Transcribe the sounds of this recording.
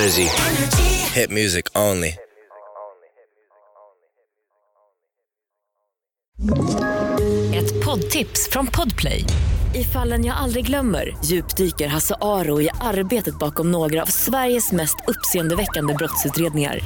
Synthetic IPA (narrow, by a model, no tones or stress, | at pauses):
ɪzi | hɪt̚mjʉːzɪkʰõʊ̃nlḭ | ɛt̪pʰɔd̪t̪ʰɪpsfɾɔnpʰɔd̪pʰlɛ̰jɪfalːənjɑːɡald̪ɾɪɡlœmːə̰ɾjʉ̟ːpd̪yːkəɾɦasaʔɑːɾʊɪʔaɾbeːt̪ət̪̚bɑːkɔmnoːɡɾaa̰vsvæɾjəsmɛst̪ʰɵpːseːənd̪əvɛkːand̪əbɾɔt̪sʉ̟ːt̪ɾeːd̪nɪŋa̰ɾ